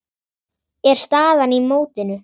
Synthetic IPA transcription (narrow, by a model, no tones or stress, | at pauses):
ɛɾ̥st̪aːðanimoːwt̪ɪnʏ